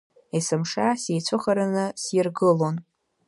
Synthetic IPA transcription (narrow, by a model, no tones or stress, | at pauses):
isɨmʂasejt͡sʷʰɨχaɾanɨsjɪrɡɨlo̞n